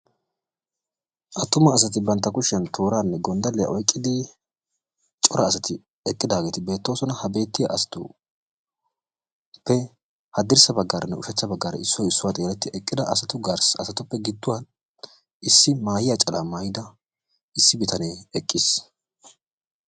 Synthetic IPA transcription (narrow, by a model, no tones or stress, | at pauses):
ʔɐt̪ːʊmɐːsɐt̪ɪbɐnt̪ːɐkʊʃɐnt̪ʰo̞ːɾaːnːɛɡɔnd̪ɐlɛjɐ̰ʔɔjkʼːɪd̪ɪ | t͡ʃʼɔɾɐːsɐt̪ɪ | ɛkʼːɪd̪aːɡe̞ːt̪ɪbe̞ːt̪ːo̞ːsɔnɐhɐbe̞ːt̪ːɪjɐ̰ʔɐsɐ̥t̪ʊ | pːɛ | hɐd̪ɪɾsɐbɐɡːaːɾɐnːɛʊʃɛt͡ʃːɐbɐɡːaːɾɐ̰ɪsːɔjɪsːʊwaːt̪ʼeːlɛt̪ːɪʔɛkʼːɪd̪ɐʔɐsɐt̪ʊɡaɾsɐsɐt̪ʊpːɛɡɪd̪ːʊwan | ɪsːɪmaːjɪjat͡ʃʼɐlamaːjɪd̪ɐ | ɪsːɪbɪt̪ʰɐneːɛkʼːɪs